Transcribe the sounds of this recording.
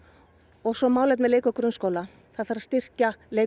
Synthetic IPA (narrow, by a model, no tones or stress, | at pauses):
ɔɣsɔmaːwlɛt̪mɛðleːjkœkɾʏnskoːwla | θaðfaɾast̪ɪr̥caleːj